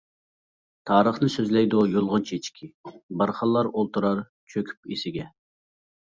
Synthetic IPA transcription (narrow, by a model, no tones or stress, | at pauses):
t̪ʰɑːɾəχnɨsøzlɛjd̪ujolˠʁʊnt͡ʃʰet͡ʃkʲʰibɑɾχɑlˠːɑɾolˠt̪uɾɑɾ | t͡ʃʰøkʲʰy̥p̚isɪɡʲɛ